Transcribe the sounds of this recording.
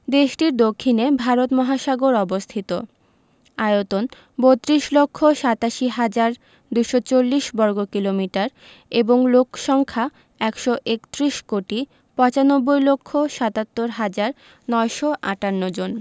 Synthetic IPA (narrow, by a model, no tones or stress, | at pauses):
d̪eʃʈiɾd̪okʰːinebʱaɾot̪mɔɦaʃaɡoɾɔbost̪ʰit̪o | ajot̪on | bot̪ːɾiʃlokʰːoʃat̪aʃiɦad͡ʑaɾ | d̪ujʃot͡ɕolːiʃbɔɾɡokilomiʈaɾ | eboŋlokʃɔŋkʰa | ɛkʃɔʔekt̪ɾiʃkoʈi | pɔ̃t͡ɕanobːojlokʰːoʃat̪at̪ːoɾɦad͡ʑaɾ | nɔeʃɔʔa̰ʈanːod͡ʑon